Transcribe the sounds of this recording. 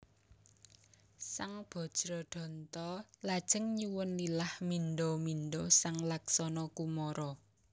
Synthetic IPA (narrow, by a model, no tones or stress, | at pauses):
saŋb̥ɔ̤d̥ʒ̥ɾɔɖ̪̥ɔ̤nt̪ɔlad̥ʒ̥ə̤ŋɲuwʊnlilahminɖominɖosaŋlaksɔnɔkumɔɾɔ